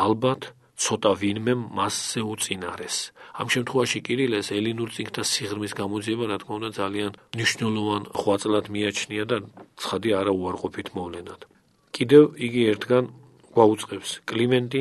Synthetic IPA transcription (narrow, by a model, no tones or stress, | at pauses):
albat̪ʰ | t̪sʰɔt̪ʼavinmɛmːasːɛut̪sʼinaɾɛsa̰mʃɛmt̪ʰχwɛvaʃikʼiɾilɛsɛlinuɾt̪sʼiŋkʰt̪ʰasiʁɾmisɡamɔd̪ziɛbaɾat̪ʰkʰmaũnd̪ad̪zalianmniʃnɛlˠɔvanʁwat̪sʼlˠad̪miat͡ʃʰniad̪at̪sʰχad̪iaːɾauaɾqʼɔpʰit̪ʰmɔvlɛnad̪̥ | kʼid̪ɛviɡiɛɾt̪ʰɡan | ɡ̥waut̪sʼqʼɛpskʼlimɛnt̪ʼi